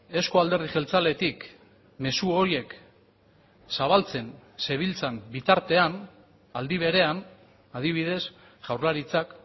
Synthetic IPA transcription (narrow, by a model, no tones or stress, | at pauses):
e̞skoald̪e̞ɾðiʝe̞lt͡sale̞t̪ik | me̞suoɾie̞k | saβalt͡se̞nse̞β̞ilt͡sambit̪aɾt̪e̞an | ald̪iβ̞e̞ɾe̞an | að̞iβ̞ið̞e̞s | ʝawɾlaɾit͡sak